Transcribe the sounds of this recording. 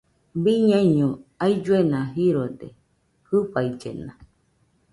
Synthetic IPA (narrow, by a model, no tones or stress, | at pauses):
biɲãiɲõaid͡ʒuenãɦiɾode | hɨɸaid͡ʒḛnã